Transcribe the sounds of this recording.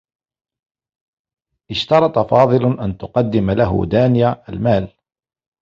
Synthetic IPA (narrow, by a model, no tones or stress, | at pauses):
ʔɪʃt̪ɑɾˤɑt̪ˤɑfɑːðˤɨlʔant̪ʊqɑd̪ːɪmlaɦʊ̰d̪aːnɪjaʔalmaːl